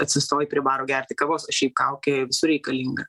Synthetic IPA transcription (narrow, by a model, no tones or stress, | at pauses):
ɐt̪ʲsʲɪst̪oːjɪpʲɾʲɪbɑːɾoːɡʲæɾʲt̪ʲɪkɑboːsɐʃʲɛɪp̚kɐʊkʲeʋʲɪsʊɾʲɛɪkɐlʲiːŋɡɐ